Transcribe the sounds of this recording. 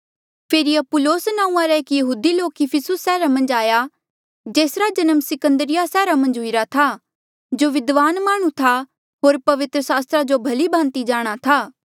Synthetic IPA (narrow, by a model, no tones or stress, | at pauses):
pʰeːɾiɐpʊloːsnãːũãɾɛeːkjɐɦuːd̪iloːkɪpʰɪsʊsːɛːɾamɐ̃nd͡ʒaːja | d͡ʒeːsɾad͡ʒɐnəmsɪkə̃nd̪əɾɪjasɛːɾamɐ̃nd͡ʒɦʊiɾat̪ʰa | d͡ʒoːʋɪd̪ʋaːnmaːɽ̃ũt̪ʰa | ɦoːɾpɐʋɪt̪ɾəsaːst̪ɾad͡ʒobʱɐlibʱãːnt̪id͡ʒaːɽ̃at̪ʰaː